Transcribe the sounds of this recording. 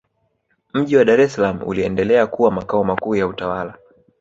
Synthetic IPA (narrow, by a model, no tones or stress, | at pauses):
m̩ʄiwaɗaɾɛsalamuṵliɛndɛlɛakuwamakaɔmakuːjautawala